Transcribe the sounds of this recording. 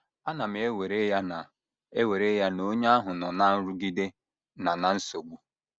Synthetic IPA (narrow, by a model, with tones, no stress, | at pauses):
a˦na˨mɪ˨e˦we˨ɾe˦ja˦na˨ | e˦we˨ɾe˦ja˦no˦ɲa˦a˦ɦʊ˨nɔ˨na˦n̩˦ɾʊ˦ɡi˦de˦ | na˨na˨n̩˦so˨ɡ͡bu˦